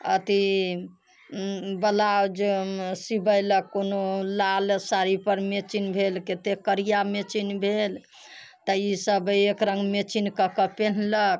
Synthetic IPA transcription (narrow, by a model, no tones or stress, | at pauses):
ə̰t̪i | bəlawd͡ʒesibəjləkːonolalsaɾipəɾmet͡ʃinbʱelket̪ekəɾijamet͡ʃinbʱel | t̪əisəbekɾəŋɡmet͡ʃinkəkəpen̤lək